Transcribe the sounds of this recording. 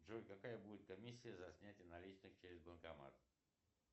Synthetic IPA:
ʐojʲkɐkajəbudʲɪt̪̚kɐmʲisʲːɪjəzɐsʲnʲætʲɪjənɐlʲit͡ɕnɨxt͡ɕeɾʲɪzbənkɐma̰t̪

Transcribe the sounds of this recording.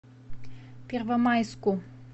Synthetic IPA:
pʲɛɾvɐmajskʊ

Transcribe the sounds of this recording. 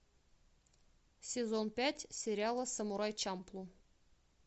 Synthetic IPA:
sʲezonpʲæt̪ʲsʲeɾʲalˠəsəmuɾɑjt͡ʃɑmplˠu

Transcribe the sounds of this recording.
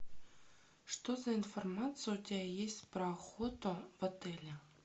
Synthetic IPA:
ʂt̪ozainformɑt̪sɨjʊd̪ʲæjesʲtʲprɑχot̪ovɤ̆t̪elʲɘ̆

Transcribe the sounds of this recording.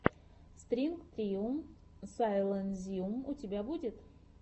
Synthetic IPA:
st̪ɾʲinkt̪ɾʲiumsajlˠənzʲiumʊtʲɪbʲabudʲɪt̪

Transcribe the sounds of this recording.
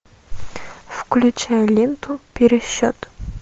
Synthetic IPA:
fklʲʊt͡ɕajlʲint̪ʊpʲɪɾʲɪɕːot̪

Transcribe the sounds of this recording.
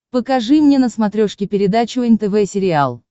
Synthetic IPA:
pəkɐʐɨmnʲe̞nəsmɐt̪ɾʲoʂkʲɪpʲɪɾʲɪd̪at͡ɕʊɛnʲt̪ɛvɛsʲɪɾʲɪalˠ

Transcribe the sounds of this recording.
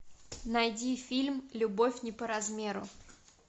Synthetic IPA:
nɐjdʲifʲilʲmlʲʊbo̞fʲnʲɪpəɾɐzmʲe̞ɾʊ̰

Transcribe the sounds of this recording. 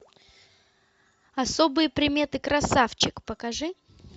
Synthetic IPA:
ɐsobɨjəpɾʲɪmʲe̞t̪ɨkɾɐsaft͡ɕɪkpəkɐʐɨ

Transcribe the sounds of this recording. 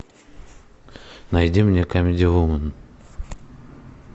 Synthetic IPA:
najdʲimnʲekamʲɪdʲɪvumən

